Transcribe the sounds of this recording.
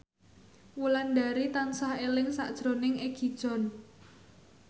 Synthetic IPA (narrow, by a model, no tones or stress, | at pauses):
wulanɖa̤ɾit̪ansahelɪŋsaʔd̥ʒ̥ɾonɪŋeɡ̥i̤d̥ʒ̥ɔ̤n